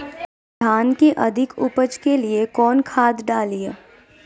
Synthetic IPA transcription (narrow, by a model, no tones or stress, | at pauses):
d̪ʱaːnkeʔɐd̪ʱɪkʊpəd͡ʒkeliekɔːnkʰaːd̪ɖaːliaː